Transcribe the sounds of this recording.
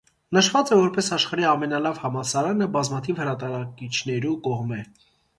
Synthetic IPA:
nəʃvɑt͡sɛvɔɾpɛsɑʃχɑɾiɑmɛnɑlɑvhɑmɑsɑɾɑnəbɑzmɑt̪ʰivhəɾɑt̪ɑɾɑkit͡ʃʰn̪ɛɾukɔʁmɛ

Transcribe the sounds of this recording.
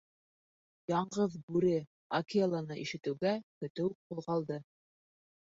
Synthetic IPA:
jɑɴɢɤðbʉɾɘ | ɐkʲilˠanɤʔiʃɘ̆t̪ɘ̆wɡækɵ̆t̪ɘwqulˠʁɑlˠd̪ɤ

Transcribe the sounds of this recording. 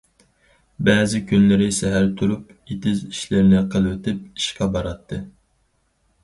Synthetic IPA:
bɛːzɪkʲynlɪɾɪsɛɦæɾt̪ʰuɾupet̪ɪziʃlɪɾnɪqʰəlˠwɪt̪ʰɪp̚i̥ʃqɑbɑɾɑt̪ʰːɨ

